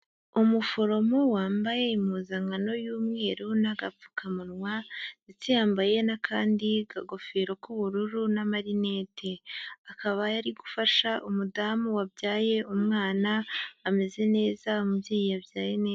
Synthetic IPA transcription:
umufo̞ɾo̞mo̞waːmbaje̞imuːzaŋɡano̞juːmŋe̞ːɾunaɡafu̥kamunŋwazitijaːmbaje̞nakʰaːndiɡaɡo̞feːɾo̞kuβuɾuɾunamaɾine̞ːtʰe̞akaβajaɾiɡufaʃaʔumudaːmuwabjaːje̞umŋaːnaːme̞ze̞ne̞ːzamubjiːjijabjaːjeneːz

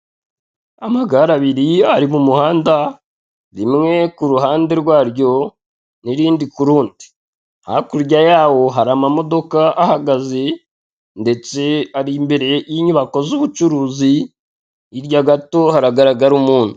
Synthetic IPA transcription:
amaɡaɾaβiɾiaɾimumuhaːnda | ɾimŋe̞kuɾuɦaːnde̞ɾɡwaːɾɟo̞ | niɾiːndikuɾuːndi̥ | ha̰kuɾɟajaːwo̞ɦaɾamamo̞do̞kaʔahaɡaze̞ | nde̞t͡se̞aɾimbe̞ɾe̞jiɲuβako̞zuβut͡ʃuɾuːziː | ɾɟaɡato̞haɾaɡaɾaɡaɾumuːn̥hu

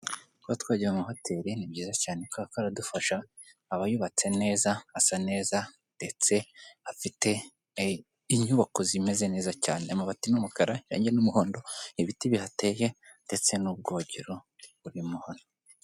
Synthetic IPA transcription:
kuβatwaːɟiumuɦotʰeɾinibɟiːzacaːnekoakaɾadufaʃaː | βajuβat͡se̞ne̞ːzaasane̞ːza | nd̥e̞t͡se̞afite̞ | iɲuβako̞zime̞ze̞ne̞ːzacaːne̞amaβatimumukaɾaʃa̰ːɲɟenumuho̞ːndo̞iβitiβihate̞je̞ | nde̞t͡se̞nub̚ɡo̞ːɟeɾo̞ | βuɾimuhono

